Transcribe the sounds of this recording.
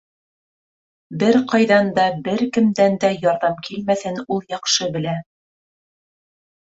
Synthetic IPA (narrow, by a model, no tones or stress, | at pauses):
bɘɾqɑjðɑnd̪ɑbɘɾkɘ̆md̪ænd̪æjɑɾðɑmkʰilmæθɘnulˠjɑqʃɤbɘ̆læ